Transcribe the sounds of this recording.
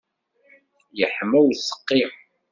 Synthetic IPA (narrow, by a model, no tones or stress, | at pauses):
jəħmæwsə̥qːi